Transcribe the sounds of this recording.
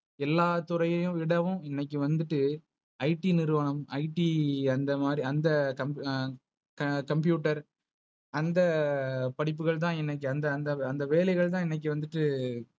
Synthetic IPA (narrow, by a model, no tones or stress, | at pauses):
ɛlːaːt̪ʊɾɐjɐjʊ̃ɪɽɐʋɯ̃ɛnːɐkːɯʋɐnd̪ɯʈːɯ | ɐɪʈːinɪɾɯʋɐɳɐmɐ̰ɪʈːiɐnd̪ɐmaːd̪ɾiɐnd̪ɐkɐm | kɐkɐmpjuːʈːɐɾ | ʔɐnd̪ɐpɐɽɪp̬ːɯɣɐɭt̪̬ãːɛnːɐk̬ːɯɐnd̪ɐːnd̪ɐːnd̪ɐʋeːlɐɪɣɐɭt̪ãːɛnːɐk̬ːɯʋɐnd̪ɯʈːɯ